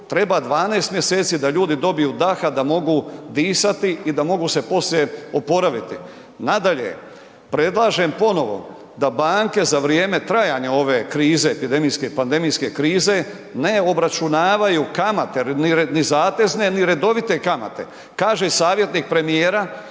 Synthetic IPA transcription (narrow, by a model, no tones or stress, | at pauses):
t̪ɾe̞baːd̪ʋaːneːst̪mje̞se̞ːt̪siːd̪aʎuːd̪id̪o̞bijuːd̪axad̪amo̞ɡud̪iːsat̪iid̪amo̞ɡuse̞po̞slje̞o̞po̞ɾaʋit̪i | nad̪aʎḛ | pɾe̞d̪lˠaːʒe̞mpo̞no̞ʋo̞̰ | d̪abaːŋke̞zaʋɾjeːme̞t̪ɾajaːɲao̞ʋe̞ːkɾiːze̞ːpid̪emijske̞pand̪e̞mijske̞kɾiːze̞ | ne̞o̞bɾat͡ʃunaːʋajukamat̪eninizaːt̪e̞zne̞niɾe̞d̪o̞ʋit̪e̞kama̰t̪e̞̰ | kaːʒesaːʋje̞t̪niːk̚pɾe̞mijeːɾa